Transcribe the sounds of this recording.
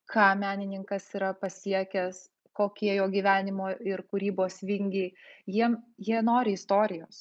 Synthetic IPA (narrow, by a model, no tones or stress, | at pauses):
kʰɑːmʲæːnʲɪnʲɪŋkɐsiːɾɐpɐsʲiɛkʲɛs | koːkʲiɛjoːɡʲiʋʲæːnʲɪmoːɪrkuɾʲiːboːsʋʲɪŋʲɡʲɛɪjiɛmjiɛnoːɾʲɪɪst̪oːɾʲɪjoːs